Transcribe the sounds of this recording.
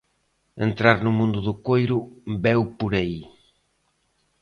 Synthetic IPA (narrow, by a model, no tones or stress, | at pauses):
ḛnt̪ɾaɾnʊmũnd̪ʊðʊkojɾʊbɛwpoɾai